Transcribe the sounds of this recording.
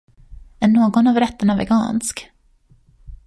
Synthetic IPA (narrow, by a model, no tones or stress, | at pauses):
ɛɳoːɡɔnavɾɛt̪ːəɳavɛ̰ɡɑ̰ːnsk